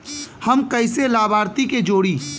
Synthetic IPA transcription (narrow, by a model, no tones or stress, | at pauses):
hɐmkɐɪselaːbʱaːɾt̪iked͡ʒoːɽiː